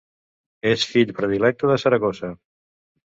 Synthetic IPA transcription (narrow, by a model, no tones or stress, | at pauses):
esfiʎpɾəðilɛk̚t̪uðəsəɾəɣozə